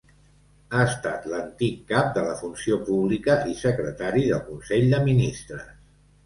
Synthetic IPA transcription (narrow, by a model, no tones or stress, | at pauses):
aəst̪at̪lənt̪ikːap̚d̪ələfunsiopuβlikəisəkɾət̪aɾiðəlˠkunseʎʲd̪əminist̪ɾəs